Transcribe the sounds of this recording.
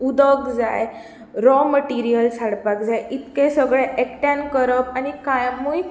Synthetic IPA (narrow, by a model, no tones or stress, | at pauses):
ud̪əɡd͡zaj | ɾɔməʈiɾijəlsaɽpak̚d͡zajʔit̪kesəɡɭeʔekʈãnkəɾəp̚anikajmuj